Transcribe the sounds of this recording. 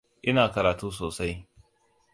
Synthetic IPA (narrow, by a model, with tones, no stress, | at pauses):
ʔɪ˦naː˨kɐ˨ɾaː˨tuː˦s̬oː˨sa˦j